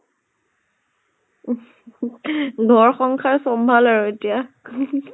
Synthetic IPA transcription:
dʱɔɹxɔŋkʰaɹsɔmbʱalaɹoetija

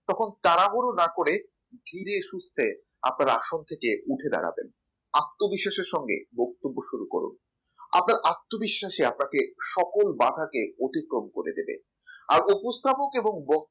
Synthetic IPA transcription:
t̪ɔkʰont̪aɾaɦoɾonakoɾe | d̪ʱiɾeʃust̪ʰe | a̰pnaɾa̰ʃont̪ʰekeʔuʈʰed̪a̰ɽa̰bḛn | ak̚t̪ːobiʃːaʃeɾʃɔŋɡḛbok̚t̪obːoʃuɾuko̰ɾṵn | a̰pnaɾʔak̚t̪ːobiʃːaʃeap̚nakeʃɔkolbaɖʱakeot̪ikɾomkoɾḛd̪ebḛ | a̰ɾupost̪ʰapokeboŋbɔ

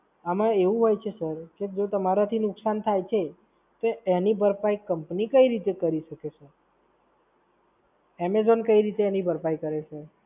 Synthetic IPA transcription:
amãeʋũɦojt͡ʃʰesəɾked͡ʒot̪əmaɾat̪ʰinʊksant̪ʰajt͡ʃʰe | t̪oenibʱəɾpajkəmpnikəiɾit̪ekəɾiʃəkeseɾ | ɛmezonkəiɾit̪eenibəɾpajkəɾeʃe

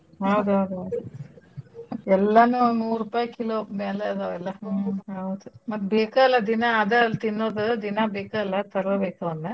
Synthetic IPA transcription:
ɦɐwd̪uɦɐwd̪uɦɐwd̪u | ɛlːɐnunuːɾupaːjɐkiloːmeːleɐd̪oɛlːɐɐwd̪umɐt̪ːbeːkaɛlːɐd̪inaːd̪ɐlt̪inːoːd̪ɐd̪inabeːkaɛlːɐt̪ɐɾɐbeːkɐɐnːe

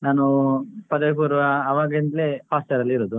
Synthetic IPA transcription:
naːnupɐd̪ekuːɾɐʋɐːʋaːɡɐind̪lepʰaːsʈɐɾɐlːiɾoːd̪u

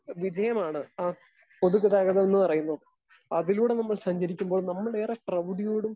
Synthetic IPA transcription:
ʋid͡ʑɐjɐmaːɳɨaː | po̞ðukːɐðaːɣɐðɐonːɨpɐrɐjunːɐðɨ | ɐðiluːɽe̞nɐmːɐɭsɐɲd͡ʑɐɾikʲːumbo̞ːɭnɐmːɐɭeːreʈrɐʋuɽijoːɽum

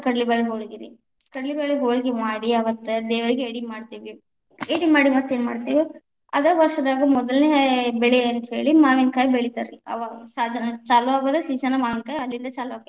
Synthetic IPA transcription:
kɐɽlibeɭeɦoːɭiɡiɾḭ | kɐɽɐlibeɭeɦoːɭiɡimaːɽiɐʋɐt̪ːed̪ɛːʋɐɾiɡeeɽimaːɽt̪iːʋi | eɽimaːɽimɐt̪ːeːnma̰ːɽt̪iːʋi | ɐd̪ɐʋɐɾʂɐd̪aːɡɐmɔd̪ɐlnebɛɭeɐnt̪ɐɦe̞ːɭimaːʋinkaːjibeɭit̪aɾiɐ̰ʋasad͡ʒɐnɐt͡ʃaːluʋaːɡoːd̪esiːsɐnɐmaːʋinkaːjiɐlːind̪ɐt͡ʃaːluʋaːɡe

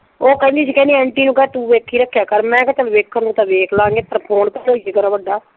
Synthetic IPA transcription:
oːkəĩnd̪iːt͡ʃʰːkɛ̃ːniːɛːɳʈiːnũːkɛːt̪ũːʋeːkʰːiːɾəkʰːjaːkəɾmɛ̃ːkət͡ʃəlʋeːkʰːəɾnũːt̪ãːʋeːkʰlãːŋɡeːp̪əɾpʰoːnkəloːieːɡənaːʋəɖːaː

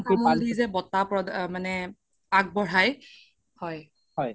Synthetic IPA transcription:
ɡumɔldizɛbɔtapɹɔdmanɛ | ak̚bɔɹaj | hɔj | ɔj

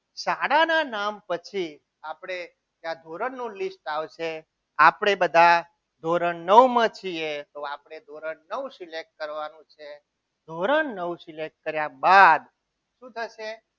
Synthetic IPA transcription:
saɽananampət͡ʃʰi | apɽ̃e | d͡ʒjãd̪ʱoɾəɳnːũlisʈaʋʃe | apɽ̃ebəd̪ʱa | d̪ʱoɾənːəʋmãt͡ʃʰiet̪oapɽ̃ed̪ʱoɾəɳnəʋũsilek̚ʈ̚kəɾʋanũt͡ʃʰe | d̪ʱoɾəɳːəwsilek̚ʈ̚kəɾjabad̪ | ʃũt̪ʰəʃe

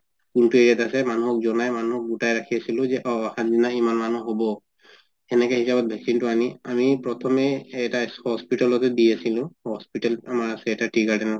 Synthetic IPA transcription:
kuntueɹiatasɛmanuɦɔk̚zɔnajmanuhɔk̚butajɹakʰiasilʊ̃zɛʔɔaxanzinaimanmanuɦobɔ | ɛnɛkɛhisabɔt̚bʱɛksintuaniamipɹɔtʰɔmɛtahɔspitalɔtɛdiasilʊ̃hɔspitalamaɹasɛɛtatɹiɡaɹdɛn

